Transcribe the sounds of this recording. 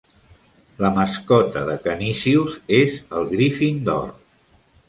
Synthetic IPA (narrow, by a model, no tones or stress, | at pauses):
ləməskɔt̪əðəkənisiuzezəlˠɣɾifind̪ɔ̰r